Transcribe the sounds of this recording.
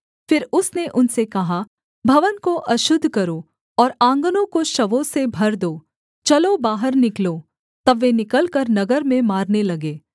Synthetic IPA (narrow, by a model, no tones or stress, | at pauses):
fɪɾʊsneʔʊnsekɐɦa | bʱɐʋənkoʔɐʃʊd̪ʱkɐɾo | ɔːɾãːŋɡənõkoʃɐʋõsebʱɐɾd̪oː | t͡ʃɐlobaːɦəɾnɪkloː | t̪ɐbʋenɪkəlkəɾnɐɡəɾmẽmaːɾnelɐɡeː